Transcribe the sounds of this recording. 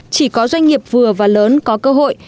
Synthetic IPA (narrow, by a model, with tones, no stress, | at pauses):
t͡ɕi˧˩kɔ˨˦zwa˧jŋ̟ŋi˨˩əp̚vɨ˨˩əvaː˨˩ləː˨˦nkɔ˨˦kəː˧ɦo̰˧˨j